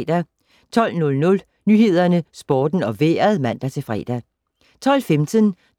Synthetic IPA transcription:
d̥æ | t͡sʰɒ̽l̰nɔ̽lnɔ̽l | nyːɦe̝ð̞̰ˠɐnəsb̥ɒːd̥n̩ɒ̽ʋḛːɐð̩ˠmæn̰d̥æt͡sʰe̝fʁɛ̰d̥æ | t͡sʰɒ̽l̰femt͡sʰən

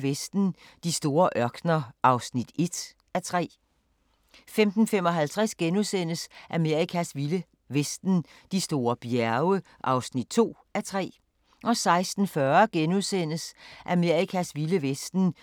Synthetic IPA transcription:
ʋesd̥n̩d̥isd̥o̝ːɐʔɶɐɡ̥nɐʔɑ̈ʊsnid̥e̝d̥ | æt͡sʰʁɛ̰ː | femd̥n̩fem̰ɒ̽ɦælt͡sʰʁɛsɡ̥enuðˠsen̰əsʔæme̝ɐ̰ikʰæsʋilə | ʋesd̥n̩ | d̥isd̥o̝ːɐb̥jæɐʊə | ʔɑ̈ʊsnid̥t͡sʰo̝̰ː | æt͡sʰʁɛ̰ː | ʔɒ̽sɑ̈ɪsd̥n̩fɶːɐɡ̥enuðˠsen̰əsʔæme̝ɐikʰæsʋiləʋesd̥n̩

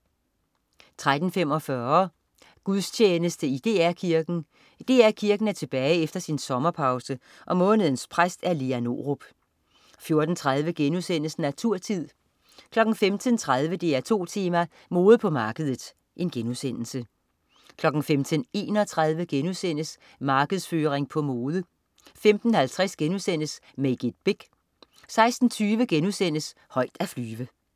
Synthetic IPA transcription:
t͡sʰʁad̥n̩fem̰ɒ̽fɶɐ | ɡ̥uðˠst͡ɕʰeːnəsd̥əid̥e̝ːæɐkʰiɐɡ̥n̩ | d̥e̝̰ːæɐkʰiɐɡ̥n̩æɐt͡sʰe̝b̥ɛːɪefd̥ɐsinsɒ̽mɐpʰɑ̈ʊsə | ʔɒ̽mɔ̽ːnəð̞̩ˠn̩spʰʁasd̥æɐliæno̝̰ʁob̥ | fjo̝ɐd̥n̩t͡sʰʁaðˠʋəɡ̥enusen̰əsn̩æt͡sʰuɐ̰t͡sʰið̰ˠ | kʰlɒ̽ɡ̥n̩femt͡sʰənt͡sʰʁað̞ˠʋəd̥e̝æɐt͡sʰo̝̰ːt͡sʰeːmæ | mo̝ːð̩ˠpʰɒ̽mɑ̈ːɡ̥əð̞ˠəð̩ˠ | ʔe̝nɡ̥enusen̰l̩sə | kʰlɒ̽ɡ̥n̩femt͡sʰəne̝̰ːnɒ̽t͡sʰʁað̞ˠʋəɡ̥enusen̰əs | mɑ̈ːɡ̥əð̞̩ˠsføːʁeŋpʰɒ̽moːðˠə | femd̥n̩hælt͡sʰʁɛsɡ̥enusen̰əsmeɪɡ̥id̥̚b̥eɡ̥ | sɑ̈ɪsd̥n̩t͡sʰyːʋəɡ̥enuðˠsen̰əs | hɒ̽ɪd̥æflyːʋə

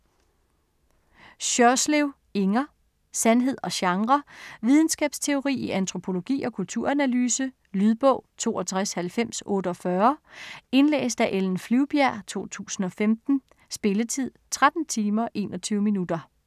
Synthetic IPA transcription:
ɕœsleʊ | e̝ŋɐ | sænɦe̝ð̞̰ˠɒ̽ɕɑ̈ŋʁɐʋið̞ˠn̩sɡ̥ɛːb̥st͡sʰe̝o̝ʁḭːiʔænt͡sʰʁo̝pʰo̝lo̝ɡ̥ḭːɒ̽kʰult͡sʰuɐ̰ænælyːsə | lyð̞ˠb̥ɔ̽ʊ̰t͡sʰo̝̰ːɒ̽t͡sʰʁashælfem̰sɔ̽ːdəɒ̽fɶɐe̝nlḛːsd̥æʔeln̩flyʊb̥jæɐ̰t͡sʰo̝̰ːt͡sʰṵːsn̩ɒ̽femd̥n̩ | sb̥e̝lət͡sʰið̰ˠt͡sʰʁad̥n̩t͡sʰiːmɐʔe̝̰ːnɒ̽t͡sʰyːʊminud̥ɐ

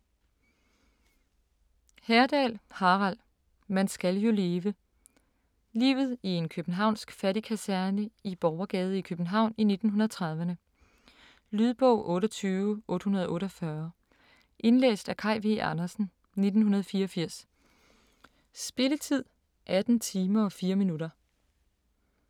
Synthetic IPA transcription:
hæɐd̥ɛ̰lhɑ̈ʁæl̰ | mænsɡ̥æljo̝le̝ːʋə | lḭːʊð̞̩ˠie̝nkʰøb̥n̩ɦɑ̈ʊ̰nsɡ̥fæɾikʰæsæɐnəib̥ɒʊɐɡ̥ɛːð̞ˠəikʰøb̥n̩ɦɑ̈ʊ̰nine̝d̥n̩ɦunɐð̩ˠt͡sʰʁɑ̈ð̞ˠʋənə | lyð̞ˠb̥ɔ̰ʊ̰ʔɔ̽ːɾɐt͡sʰyːʊʔɔ̽ːd̥hunɐð̞ˠʔɔ̽ːɾɒfɶɐ | ʔe̝nlḛːsd̥ækʰɑ̈ɪʋeʔɑnɐsn̩ | ne̝d̥n̩hunɐð̞ˠfiːɐɒ̽fiɐ̰s | sb̥e̝lət͡sʰið̰ˠ | ʔæd̥n̩t͡sʰiːmɐɒ̽fiːɐminuɾɐ

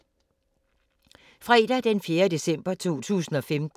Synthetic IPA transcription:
fʁɛd̥æd̥enfje̝ːɐd̥e̝sem̰b̥ɐt͡sʰo̝̰ːt͡sʰṵːsn̩ɒ̽fem

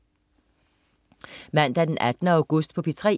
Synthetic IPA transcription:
mæn̰d̥æɐd̥enʔæd̥ənəæ̈ʊɡ̥ɔsd̥pʰɒ̽pʰit͡sʰʁɛ̰

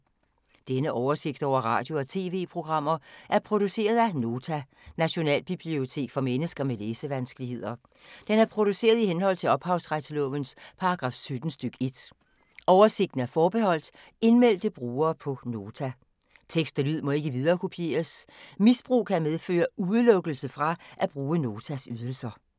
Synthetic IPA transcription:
d̥enəʔɒʊɐse̝ɡ̥̚d̥ɒ̰ʊ̰ɐʁɑ̰̈ːd̥jo̝ɒ̽t͡sʰe̝̰ːʋe̝̰ːpʰʁo̝ɡ̥ʁɑ̈m̰ɐʔæɐpʰʁo̝d̥use̝̰ːɐð̞ˠæno̝ːt͡sʰæ | næɕo̝nɛ̰ːlb̥ib̥lio̝t͡sʰe̝̰ːɡ̥fɒ̽menəsɡ̥ɐmeleːsəʋænsɡ̥əlihe̝ð̰ˠɐ | d̥enæɐpʰʁo̝d̥use̝̰ːɐð̞ˠihenhɒ̽l̰t͡sʰe̝ɒ̽b̥hɑ̈ʊsʁad̥səlɔʋənspʰɑ̈ɑɡ̥ʁɑ̈ːfsød̥n̩sd̥øɡ̥e̝d̥ | ʔɒʊɐse̝ɡ̥d̥n̩æɐfɒːb̥e̝hɒ̽l̰d̥ | e̝nmel̰d̥əb̥ʁuːɐːpʰɒ̽no̝ːt͡sʰæ | t͡sʰeɡ̥sd̥ælyð̞̰ˠmɒ̽e̝ɡ̥əʋið̞ˠɐːkʰopʰje̝̰ːɐsmisb̥ʁṵːkʰæmeð̞ˠfø̰ːɐuðˠlɔ̽ɡ̥əl̩səfʁɑ̈ʔæb̥ʁuːəno̝ːt͡sʰæsyð̞ˠəl̩sɐ

